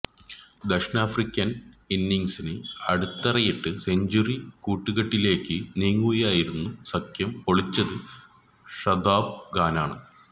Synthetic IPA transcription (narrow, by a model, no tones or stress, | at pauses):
d̪ɐkʂnaːfrikʲːɐninːiŋsinɨɐɽut̪ːɐrɐjiʈːɨseɲd͡ʑurikuːʈːuɣɐʈːile̞ːkːɨniːŋːuɐjaːjiɾunːusɐkʰjɐmpoɭit͡ɕːɐðɨ | ʂɐd̪aːb̚ɡaːnaːɳɨ